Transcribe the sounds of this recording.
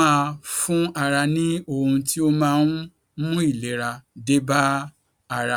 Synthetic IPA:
ã˦˧fũ˦a˨ɾa˧nĩ˦o˦˨hũ˧ti˦o˦mãː˦n | mũ˦i˦˨le˨˦ɾa˧de˦ba˦ | a˦˨ɾa˨

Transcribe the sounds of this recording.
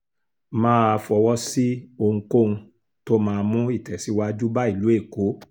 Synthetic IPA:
mãː˦a˧fɔ˧wɔ˦si˦o˧ŋ̩̃˧ko˦˨ũ˧ | to˦mãː˧mũ˦i˦˨tɛ˨si˨˦wa˦d͡ʒu˦ba˦i˦˨lu˨˦e˦˨ko˨˦

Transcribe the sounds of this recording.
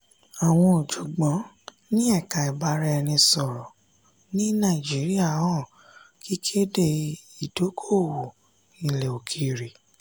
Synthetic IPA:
a˨w̃ɔ̃˧o˨d͡ʒu˨ɡ͡bɔ̃˨˦ | nĩ˦ɛ˦˨ka˨i˨ba˨˦ɾɛ˧ɛ˧nĩ˧sɔ˨ɾɔ˨ | nĩ˦nã˦˨d͡ʒi˨˦ɾi˦a˦˨ɔ̃˦˨ | ki˦kʰe˦de˧i˨do˨˦kʰo˦˨wo˨ | ĩ˨le˨o˨kʰi˨ɾi˨

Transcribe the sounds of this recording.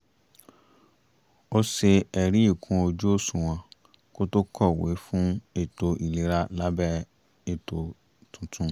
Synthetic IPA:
o˦se˧ɛ˧ɾi˦i˦˨kʰũ˧˦o˧d͡ʒu˦o˦˨sũ˨w̃ɔ̃˧ | ko˦to˦kʰɔ˦˨wḛ˨˦fũ˦e˦˨to˨˧i˨le˨˦ɾa˦la˦bɛ˦ | e˨to˨ | tũ˨˦tũ˧

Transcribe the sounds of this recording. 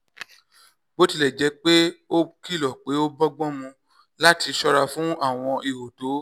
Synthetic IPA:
bo˦ti˧lɛ˨d͡ʒɛ˨˦k͡pe˦o˦ki˦lɔ˨k͡pe˨˦o˦bɔ˦ɡ͡bɔ̃˦mũ˧ | la˦ti˧ʃɔ˦ɾa˧fũ˨˦a˦˨w̃ɔ̃˧i˧wo˨to˨˦

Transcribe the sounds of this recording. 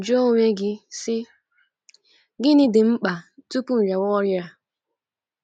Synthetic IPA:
d͡ʒo˦ŋʷe˦ɡɪ˦sɪ˦ | ɡɪ˦nɪ˦dɪ˨m̩˦k͡pa˨tu˦pu˦n̩˨ɾa˨wɔ˦ɾja˦˨

